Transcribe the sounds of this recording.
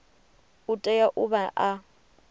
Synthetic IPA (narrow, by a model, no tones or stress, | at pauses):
ʊtʼɛjaʔʊbaʔa